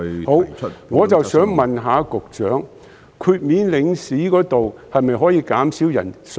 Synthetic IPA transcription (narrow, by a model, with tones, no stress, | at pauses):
ho˨˥wŋɔː˨˧t͡sɐ˨wsœː˨˥ŋmɐ˨nɦaː˨˧kʊ˨k̚t͡ʃœː˨˥ŋ | kʰyː˧t̚miː˨˧nlɪ˨˧ŋsiː˨˥kɔː˨˥t̪o˨whɐ˨jmɐ˨jɦɔː˨˥jiː˧kaː˨˥msiː˨˥wjɐ̰˨˩ns